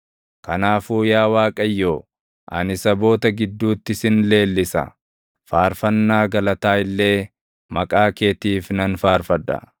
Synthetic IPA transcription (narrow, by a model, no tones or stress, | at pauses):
kɐnaːfuːjaːwaːkʼɐjːoː | ʔɐ̰nɪsɐbo̞ːt̪ɐɡɪd̪ːuːt̪ːɪsɪnle̞ːlːɪsɐ̰ | faːɾfɐnːaːɡɐlɐt̪aːɪlːe̞ː | mɐkʼaːke̞ːt̪iːfnɐnfaːɾfɐd̪ɐ̰